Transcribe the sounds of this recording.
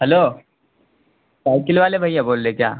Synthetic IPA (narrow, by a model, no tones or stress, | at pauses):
ɦɛloː | saɪkɪlʋaːlebʱaiaboːlːekja̰ː